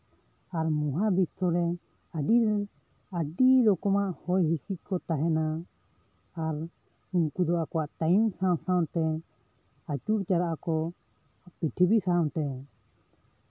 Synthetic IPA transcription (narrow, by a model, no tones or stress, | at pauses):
aɾmuɦabisɔɾɛ | əɖiɾ | əɖiɾɔkɔmaʔhɔjɦisic̪̚kɔt̪aɦɛnaː | ɾ | unkud̪ɔʔakɔwaʔt̪ajumsaw̃saw̃t̪ɛ | at͡ʃuɾt͡ʃaɾaʔakɔ | piʈʰibisaw̃t̪ɛ